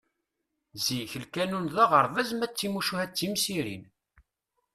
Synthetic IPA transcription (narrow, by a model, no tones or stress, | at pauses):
ziçəlkænunðæʁəɾˤvæzmæt͡sːimuʃuhæt͡sːimsiɾḭn